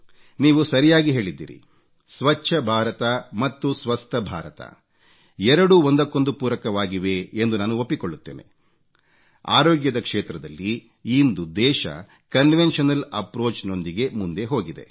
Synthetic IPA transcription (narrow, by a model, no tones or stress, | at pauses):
niːʋusɐɾijaːɡiɦe̞ːɭid̪ːḭːɾḭ | sʋɐt͡ʃːʃʰɐbʱaːɾɐt̪ɐmɐt̪ːusʋɐst̪ʰɐbʱaːɾɐt̪ɐ̰ | ɛɾɐɽuond̪ɐkːo̞nd̪upuːɾɐkɐʋaːɡiʋe̞ːnd̪unaːnuopːikoɭːut̪ːeːne̞̰ | a̰ːɾoːɡjɐd̪ɐkʂeːt̪ɾɐd̪ɐlːiː | nd̪ud̪ɛːʃɐ̰ | kɐnʋenʃɐnɐlɐpɾoːt͡ʃno̞nd̪iɡe̞mund̪e̞ɦo̞ːɡid̪e̞̰